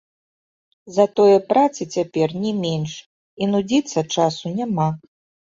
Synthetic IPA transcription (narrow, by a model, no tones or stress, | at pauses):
zɐt̪ɔjɐpɾat̪sɨt͡sʲapʲɛrnʲɛmʲɛnʂ | inud͡zʲit̪sːɐt͡ʂasunʲama